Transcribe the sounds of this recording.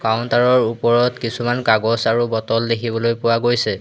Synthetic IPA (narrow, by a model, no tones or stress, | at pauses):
kaʊntaɹɔɹupɔɹɔtkisumankaɡɔsaɹubɔtɔldekʰibɔlojpʊwaɡojsɛ